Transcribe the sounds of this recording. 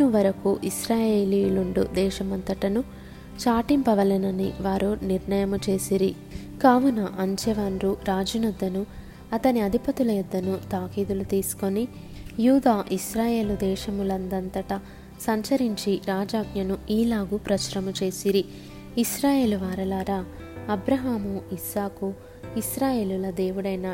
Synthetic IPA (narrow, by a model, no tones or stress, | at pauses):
uʋɐɾɐkuʔisɾaːjeːlijluɳɖṵd̪ɛːʃɐmɐnt̪ɐʈɐnu | t͡ʃaːʈimpɐʋɐlɐnɐniʋaːɾuniɾɳɐjɐmut͡ʃe̞ːsiɾi | kaːʋunɐʔɐɲd͡ʒɛʋaːnɾuɾaːd͡ʒunɐd̪ːɐnu | ɐt̪ɐniɐd̪ʱipɐt̪ulɐjud̪ːɐnut̪aːkiːd̪ulut̪iːsu̥ko̞ni | juːd̪aːʔiʃɾaːje̞ːlud̪ɛːʃɐmulɐnd̪ɐnt̪ɐʈɐ | sɐɲt͡ʃɐɾiɲt͡ʃiɾaːd͡ʒaːɡjɐnuiːlaːɡupɾɐt͡ʃɐɾɐmut͡ʃe̞ːsiɾi | iʃɾaːje̞ːluʋaːɾɐlaːɾa | ɐbɾɐɦaːmuisaːku | isɾaːje̞ːlulɐd̪eːʋuɽɐjnɐ